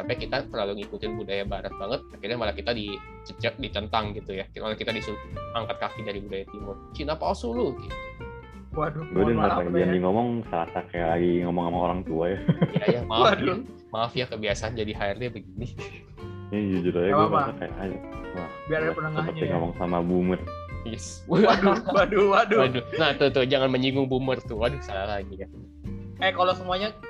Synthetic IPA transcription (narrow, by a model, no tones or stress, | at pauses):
sampɛkit̪atəlaluŋikut̪ɪnbudajabaŋət̪̚baŋət̪̚akirɲamalakit̪adi | t͡ʃət͡ʃəʔ̚dit̪ənt̪aŋɡit̪ujakimalakit̪adisuaŋkat̪̚kakidaɾibudajat̪imʊrt͡ʃinapasulukit̪u | waduɡuadəŋaad͡ʒandiŋɔmɔŋsəɾasakaja̰ʔlaɡiŋɔmɔŋamaoɾaŋt̪uajajajamaada | maːfjakəbiasaand͡ʒadiɦaɪrdiabəɡini | id͡ʒud͡ʒuɾaɲaɡuamsaka̰ja̰ʔajanabiaɾadapənaŋəpət̪iŋɔmɔŋsamabumərjɛs | daduwaduwadunaht̪ut̪ud͡ʒaŋanməɲiŋʊŋbumərt̪uwadʊsalalaɡija | ɛkalosəmuaɲa